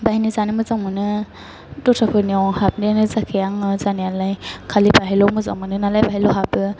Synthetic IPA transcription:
baɦinizanɯmɯzaŋmɯnɯ | dɔtʰapʰɯniawhap̚ninɯzakʰejaŋɯzanijalajkʰalibaɦilɔmɯza̰ŋmɯnɯnalajbaɦilɔɦabɯ

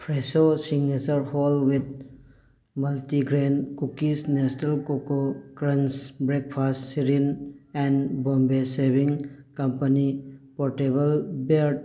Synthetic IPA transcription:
pʰɾesosiŋnet͡ʃəɾhɔlwit̪̚ | mɐltiɡɾẽnkukisnɛsnɐlkokokɾɐ̃nsbɾek̚pʰastːiɾinɛ̃nbɔ̃mbesebiŋkɐmpɐnipɔɾʈebəlbeɾʈ̚

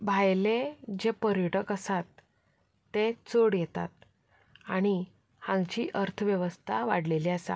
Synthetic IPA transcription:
bʱajled͡ʑepəɾəɽəkəsat̪ː | et͡soɽjɛt̪a̰t̪̚ | aɽ̃i | hãŋɡt͡ɕiːʔəɾt̪ʰəʋjəʋəst̪ʰaʋa̰ɽleliːasa̰

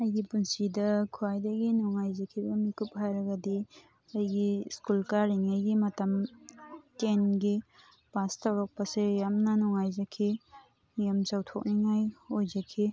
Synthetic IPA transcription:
ɐjɡipunsidɐkʰuajdɐɡinɔŋajzɐkʰibɐmikup̚hajɾɐɡɐdi | ɐjɡiskulkaɾiŋajɡimɐtɐm | tenɡi | pastɐwɾak̚pɐsejamnɐnɔŋajzakʰi | jamsawtʰok̚niŋajojzɐkʰi

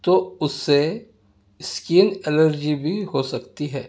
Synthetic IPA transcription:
t̪oʊsːe | skiːnɛləɾd͡ʒibʱiɦosɐkt̪iɦɛː

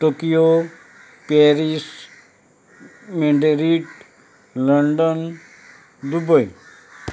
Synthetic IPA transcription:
ʈokijo | peɾis | meɳɖeɾiʈ | ləɳɖən | d̪ubəj

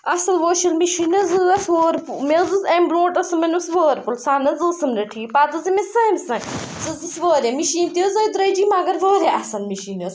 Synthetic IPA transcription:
ɐsɐlʋoːʃɐlmiʃiːnɐzɨɐsoːɾpumezɨzɐ̃mbɾõːʈɐsɨmɐnusʋoːɾpulsaːnɐzɨsɐmnɐʈʰiːpaːt̪ɐzimesɐmsɐ̃ksɨzɨsʋəːɾemiʃiːnt̪əzɐːjd̪ɾɐjd͡ʒiːmaːɡɐɾʋɐːɾeʔɐsɐlmiʃiːnɐz

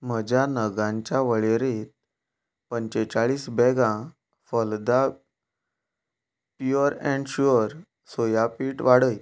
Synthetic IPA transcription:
m̤əd͡ʑjanəɡãɲt͡ɕjaʋəɭeɾiːt̪̚ | pəɲt͡ɕet͡ɕaɭiːsbɛɡã | fəld̪a | pəɾɛ̃ɳɖɕuɾ | sojapiːʈʋaɽəj

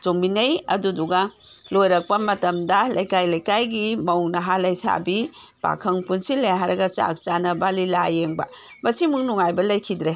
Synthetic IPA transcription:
t͡ʃombinɐjɐ̰duduɡa | lojɾɐk̚pɐmɐtɐmdɐlɐjkajlɐjkajɡimɐwŋnɐɦalɐjsa̰bi | b̥a̰kʰɐŋpunsilejɦaɾɐɡɐt͡ʃa̰k̚t͡ʃanɐbalilajeŋbɐ̰ | mɐsimuŋnuŋajbɐlɐjkʰidɾe

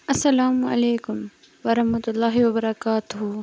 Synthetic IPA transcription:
ɐsɐlaːmɐ̰leːkʊm | ʋɐɾɐhmɐt̪ʊlːaːɦiʋɐbɐɾɐkaːt̪ʊɦu

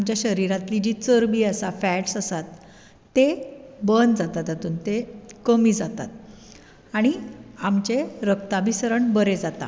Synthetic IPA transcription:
amt͡ɕjaɕəɾiɾat̪lid͡ʑiːt͡səɾbiːəsafɛʈsəsat̪ː | ebənd͡zat̪at̪at̪uːnt̪ekəmiːd͡zat̪a̰t̪̚ | aɽ̃iamt͡ɕeɾəkt̪abisəɾəɳbəɾed͡zat̪a̰

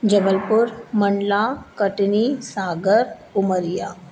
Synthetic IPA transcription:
d͡ʒəʋəlpʊɾməɳɖlakəʈnisaːɡəɾ | ʊməɾija

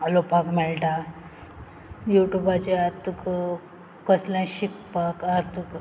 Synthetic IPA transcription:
alopakmɛɭʈa | juʈjubat͡ɕeat̪uk | kəslãɕik̚pakaɾt̪uk

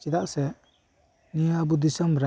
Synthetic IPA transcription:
kid̪aʔsɛ | niabud̪isɔmɾa

